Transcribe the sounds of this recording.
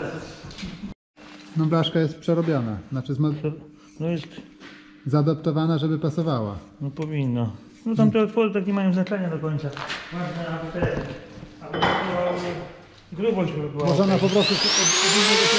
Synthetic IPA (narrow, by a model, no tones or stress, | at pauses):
nɔblaʂkajɛst̪̚pʂɛɾɔbʲjɔnaznat͡ʂɘzmɔ | nɔjɛst̪ | zad̪ɔpt̪ɔvanaʐɛbɘpasɔvawa̰ | nɔpɔvʲinːɔ | nɔt̪amt̪ɛɔt̪fɔd̪ɘt̪akɲʲɛmajɔ̃znat͡ʂɛɲad̪ɔkɔɲt̪savaɕnɛalt̪ɛ | alɛɔbuaɛ | ɡɾubɔɕbbamɔʐɔnapɔpɾɔst̪uuɔbizit̪ɔ